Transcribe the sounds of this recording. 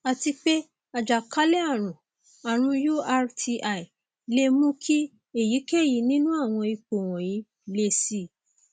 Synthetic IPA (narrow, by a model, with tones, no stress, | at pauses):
a˨ti˧k͡pe˦ | a˨d͡ʒa˨ka˦le˦a˦˨ɾ̃ũ˨ | a˨ɾ̃ũ˧ju˦a˧ɾtʰi˧ʔa˨i˨ | le˧˦mũ˦kʰi˦ | e˦˨ji˨˦kɛ˦˨ji˨˧˦nĩ˦nũ˦a˦˨w̃ɔ̃˧i˧k͡po˨w̃ɔ̃˨ji˨˦ | le˧si˧˨